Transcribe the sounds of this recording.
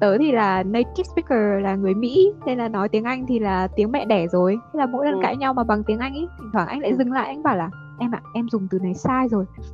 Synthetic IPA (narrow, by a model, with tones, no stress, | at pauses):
t̪əː˨˦jt̪ʰi˨˩laː˨˩nə˧jt͡ɕi˦˥spi˦˥kəː˨˩laː˨˩ŋɨ˨˩əjmḭ˧˥ne˧nlaː˨˩nɔ˨˦jt̪i˨˦əŋʔa˧jŋ̟t̪ʰi˨˩laː˨˩t̪i˨˦əŋmɛ̰˧˨ɗɛ˧˩zo˨˩jʰa˨˦laː˨˩mo̰˧˥jlə˨˩nka̰ː˧˥ɲa˧wmaː˨˩ɓa˨˩ŋt̪i˨˦əŋʔa˧jŋ̟ʔi˧˦t̪ʰi˨˩t̪ʰwaː˧˩ʔa˧ŋ̟la̰ː˧˨jzɨ˨˩ŋla̰ː˧˨ʔa˧ŋɓaː˧˩wlaː˨˩ | ʔɛ˧mʔa̰ː˨˩ʔɛ˧mzʊ˨˩ŋ͡mt̪ɨ˨˩na˨˩˦jsaː˧jzo˨˩j